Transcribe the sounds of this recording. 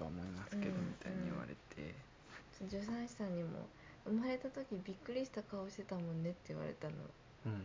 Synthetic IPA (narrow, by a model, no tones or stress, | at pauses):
t̪oamo̞imasɨ̥ɯ̃ked̪omit̪aĩɲɲiiβa̰ɾe̞̰t̪ʰe̞̰ | t͡ɕod͡ʑosãɰ̃ɕi̥sãɲ̟ːimo̞̰ | ɯ̟maɾe̞t̪at̪o̞kʲibʲikːɯ̟ɾʲiɕi̥t̪akao̞ːɕi̥t̪e̞t̪amõ̞nːe̞t̪ːe̞i̟βa̰ɾe̞̰t̪ano̞̰